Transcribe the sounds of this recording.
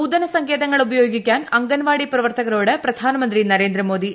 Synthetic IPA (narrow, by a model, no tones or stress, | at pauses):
uːd̪ɐnɐsɐŋkʰe̞ːðɐŋːɐɭubɐjo̞ːɡikʲːaːnɐŋɡɐnʋaːɽiprɐʋɐrt̪ɐɣɐɾo̞ːɽɨprɐd̪ʱaːnɐmɐnd̪rinɐɾe̞ːnd̪ɾɐmo̞ːd̪i